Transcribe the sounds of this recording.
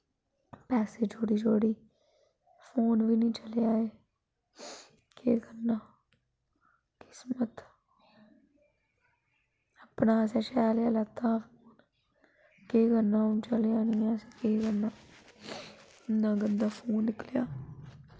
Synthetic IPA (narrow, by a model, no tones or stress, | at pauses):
pɛːseːd͡ʒoːɽiːd͡ʒoːɽiː | pʰoːnʋiːnĩːt͡ʃəljaːeː | keːɡənːaː | kɪ̥smət̪ | əpnãːsɛːʃɛːljaːlət̪ːãːpʰoːn | keːɡənãːʊnt͡ʃəljaːnĩːasekeːɡənaː | nãːɡənd̪aːpʰoːnːɪkljaː